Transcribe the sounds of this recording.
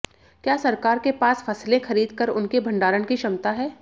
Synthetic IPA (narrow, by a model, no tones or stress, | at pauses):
kjaːsɐɾkaːɾkepaːsfʰɐslẽxɐɾiːd̪kəɾʊnkebʱɐ̃ɳɖaːɾənkiʃɐmt̪aɦɛː